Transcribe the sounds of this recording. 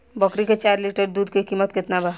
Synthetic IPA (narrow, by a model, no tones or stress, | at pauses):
bəkɾiket͡ʃaːɾliʈəɾd̪uːd̪kikiːmət̪kɪt̪naba